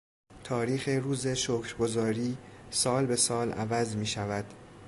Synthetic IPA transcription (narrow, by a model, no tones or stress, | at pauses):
t̪ʰɒːɾiːxeɾuːzeʃokʰɾɡo̞zɒːɾiːsɒːlbe̞sɒːlʔæ̰væzmiːʃævæd̪̥